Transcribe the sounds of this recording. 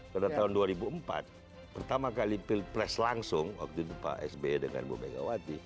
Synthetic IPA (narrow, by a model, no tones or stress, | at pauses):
kadat̪aɦʊnduaɾibuəmpa̰t̪̚ | pərt̪amakalipilpɾɛslaŋsʊŋwa̰k̚t̪uit̪upa̰ʔɛ̰sbedəŋa̰nbṵbajɡa̰wat̪i